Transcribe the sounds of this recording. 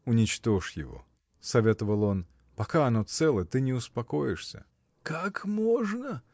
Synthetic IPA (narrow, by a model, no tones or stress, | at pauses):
ʊnʲɪt͡ɕt̪o̞ʂjɪ̰vo̞̰ | sɐvʲet̪əvəlˠo̞n | pɐkaɐno̞t̪sɛlˠəjət̪ɨnʲɪʊspɐko̞jɪʂsʲə̰ | kakmoʐnə